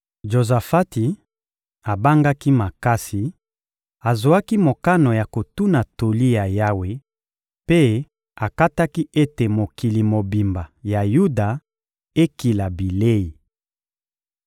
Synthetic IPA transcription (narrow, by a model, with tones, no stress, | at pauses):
ʒo˨za˨fa˦ti˨ | a˨ba˦ŋɡa˦ki˦ma˨ka˦si˨ | a˨zo˨a˦ki˦mo˨ka˦no˨ja˨ko˨tu˦na˨to˨li˦ja˨ja˦we˦ | pe˦ | a˨ka˦ta˦ki˦e˦te˨mo˨ki˨li˨mo˨bi˨mba˨ja˨ju˦da˨ | e˦ki˨la˨bi˨le˦i˨